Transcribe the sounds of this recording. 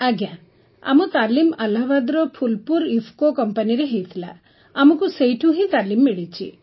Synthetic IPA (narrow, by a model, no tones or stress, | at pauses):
ɐɡjã | ɐ̰mut̪aːlimɐlɐʋad̪ɾɔpʰulpuɾifʰkokɔmpɐniɾeɦejt̪ʰila̰ː | mukusejʈʰuɦĩt̪aːlimːiɽit͡ʃʰḭ